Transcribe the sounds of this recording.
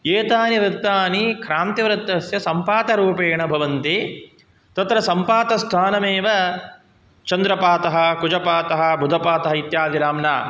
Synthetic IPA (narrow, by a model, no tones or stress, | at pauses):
eːt̪aːniʋɾɪt̪ːaːnikʰɾaːnt̪iʋɾɐt̪ːɐsjɐsɐmpaːt̪ɐɾuːpeːɳɐbʱɐʋɐnt̪eː | t̪ɐt̪ɾɐsɐmpaːt̪ɐst̪ʰaːnɐmeːʋɐ | t͡ʃɐnd̪ɾɐpaːt̪ɐɦɐ̆kud͡ʒɐpaːt̪ɐɦɐ̆bʱud̪ʱɐpaːt̪ɐɦɐit̪jaːd̪iɾaːmnaː